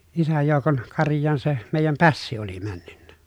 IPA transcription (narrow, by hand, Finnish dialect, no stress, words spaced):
isæj joˑukon kɑrjˑɑːn se meˑijæm pæsːi oli mænːynːæ